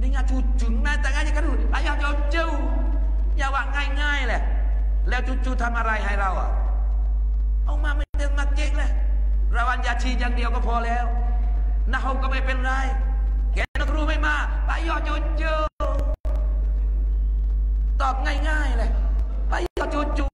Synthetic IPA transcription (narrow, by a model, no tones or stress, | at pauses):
niŋaːntʰuːt͡ɕɯŋnaːt̪aːŋaːjakʰanuːbaːjɔːt͡ɕɔːwt͡ɕɯw | jaːwaːŋaːjŋaːjlɛʔ | lɛːwt͡ɕut͡ɕʰuːt̪ʰamʔaːɾajɦajɾawʔa̰ | ʔawmaːment̪enmaːt̪̚t͡ɕeŋlɛ | ɾawʔanjaːt͡ɕʰiːjaːŋdiəwkɔːpʰɔːlɛːw | naːhawkamajpenɾaj | kɛːanɔkʰɾuːmajmaː | ba̰ːjɔːt͡ɕot͡ɕəː | t̪ɔːt̪̚ŋajŋaːjlɛʔ | baːjɔt͡ɕuːt͡ɕu